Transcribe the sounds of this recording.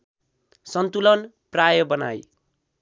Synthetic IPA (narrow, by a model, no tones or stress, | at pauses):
sʌnt̪ulʌn | prajʌbʌna̰j